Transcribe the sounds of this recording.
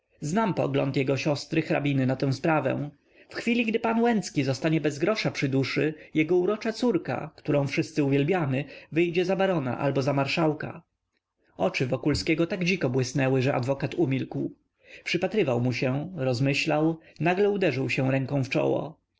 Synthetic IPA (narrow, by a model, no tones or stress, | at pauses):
znampɔ̰ɡlɔ̰nt̪jɛɡɔɕɔst̪ɾɘxɾa̰bʲinɘnat̪ɛ̃w̃spɾavɛ̰̃ | fxfʲilʲiɡd̪ɘpanwɛnt̪skʲizɔst̪aɲɛbɛzɡɾɔʂapʂɘd̪uʂɘjɛɡɔuɾɔt͡ʂat̪suɾka̰kt̪uɾɔ̃w̃fʂɘst̪sɘuvʲjɛlbʲjamɘvɘjd͡ʑɛzabaɾɔna̰ʔa̰lbɔzamaɾʂawka̰ | ɔt͡ʂɘvɔkulskʲɛɡɔt̪aɡd͡ʑikɔbwɘsnɛwɘʐɛʔa̰d̪vɔkat̪umʲilkw | pʂɘpat̪ɾɘvawmuɕɛɾɔzmɘɕlawnaɡlɛud̪ɛʐɘwɕɛ̃w̃ɾɛŋkɔ̃w̃ft͡ʂɔ̰wɔ̰